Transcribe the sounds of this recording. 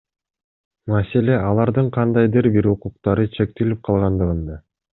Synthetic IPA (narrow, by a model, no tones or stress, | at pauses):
mase̞le̞ʔɑlˠɑɾd̪ɯɴqʰɑnd̪ɑjd̪ɯɾbiɾuquqt̪ɑɾɯt͡ʃʰe̞k̚t̪elip̚qʰɑlˠʁɑnd̪ɯʁɯnd̪ɑ